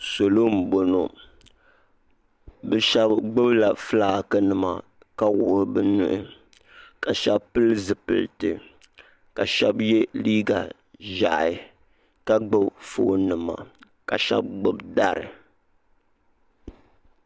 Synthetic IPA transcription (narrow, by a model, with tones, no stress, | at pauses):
so˨lo˦m̩˨bo˨no˨ | bɛ˦ʃɛ˦bɡ͡bɨ˦bla˨fɨ˦la˨kɨ˦nɨ˨ma̰˨ | ka˦wʊ˨ʔɾɨ˦bɨ˦nu˦ʔɨ˦ | ka˨ʃɛ˦bpɨ˦lɨ˦zɨ˨pɨ̰˨ltɨ˨ | ka˨ʃɛ˦bjɛ˦liː˦ɡa˨ | ʒa̰˨ʔɪ˨ | ka˦ɡ͡bɨ˦bfoː˦˨˦nɨ˨ma̰˨ | ka˨ʃɛ̰˦b̚ɡ͡bɨ˦bda˦ɾɨ̰˨